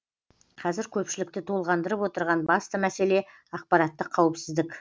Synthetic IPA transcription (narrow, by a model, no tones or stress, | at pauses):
qʰɑzɪɾkʲʰɵpʃɪlɪk̚t̪ɪt̪ʰolˠʁɑnd̪əɾəpwo̞t̪əɾʁɑnbɑst̪əmæse̞le̞ | ɑq̚pɑɾɑt̪ːəqʰːɑwəpsɪzd̪ɪkʲ